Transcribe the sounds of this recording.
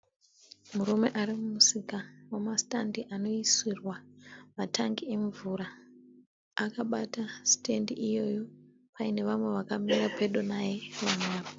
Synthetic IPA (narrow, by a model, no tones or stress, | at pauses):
muɾume̞ʔaɾimumusikawemastandiʔano̞iswirwamataŋɡie̞ɱvuɾa | akaɓataste̞ndiʔijo̞jo̞ | paine̞ʋamwe̞ʋakamirape̞ɗonajeʋamwaːʋo